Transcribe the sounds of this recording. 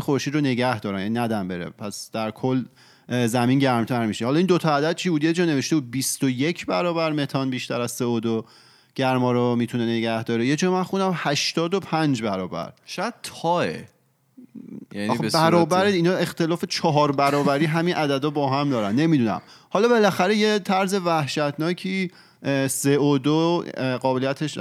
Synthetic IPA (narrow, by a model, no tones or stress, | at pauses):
xoɾʃid̪ɾone̞ɟæhd̪ɒːɾænjæninæd̪æmbeɾḛpʰæsd̪̥æɾkʰol | zæminɟæɾmt̪ʰæɾmiʃehɒːlɒind̪ot̪ʰɒæd̪æd̪̚t͡ʃʰiːbuːd̪jed͡ʒɒːne̞veʃt̪e̞buːd̪̚bist̪oje̞cʰbæɾɒːbæɾme̞t̪ʰɒnbiːʃt̪æɾæzseod̪o | ɟ̥æɾmɒːɾomit̪ʰunene̞ɟæhd̪ɒːɾejed͡ʒɒːmænxund̪æmhæʃt̪ɒːd̪opʰænd͡ʒbæɾɒːbæ̰ɾʃd̚t̪ʰɒːḛ | jænbæɾɒːbæɾeinɒe̞xt̪e̞lɒːfe̞t͡ʃʰɒɦɒːɾbæɾɒːbæɾiːɦæminʔæd̪æd̪ɒbɒːɦæmd̪ɒːɾænːe̞mid̪uːnæ̰m | hɒlɒːbe̞læxæɾe̞jet̪ʰæɾze̞væhʃæt̪ʰnɒːcʰiː | seod̪oɢɒːbe̞lijæt̪ʰeʃ